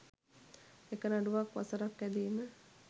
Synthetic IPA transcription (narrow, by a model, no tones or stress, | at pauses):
ekənaɖuʋakʋa̰səɾakːæd̪iːmə